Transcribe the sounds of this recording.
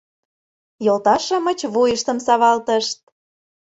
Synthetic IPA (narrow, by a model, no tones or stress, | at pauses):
jolt̪ɑʃɤ̆mət͡ɕβujəʃt̪ə̆msɑβɑlt̪əʃt̪̚